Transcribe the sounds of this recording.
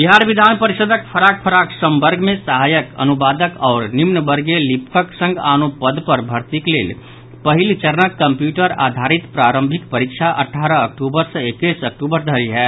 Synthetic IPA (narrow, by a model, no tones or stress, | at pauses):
biɦaːɾʋɪd̪ʱaːnpəɾɪʃəd̪ʱəkpʰəɾaːk̚pʰəɾaːksə̃mbəɾɡʱmẽsəɦaːjəkɐ̰nʊbaːd̪əkɔːɾnɪmnəbəɾɡelɪpkʰəksə̃ŋɡaːnopəd̪pɐɾbʱɐɾt̪ikleːl | pɐɦɪlt͡ʃəɾnəkːɐ̃mpjuːʈəɾa̰ːd̪ʱaːɾɪt̪pɾaːɾə̃mbʱɪkpɐɾɪkʃʰaʔɐ̰ʈʰːaːɾəɐk̚ʈuːbəɾseekisɐk̚ʈuːbəɾd̪ʱɐɾiɦɛː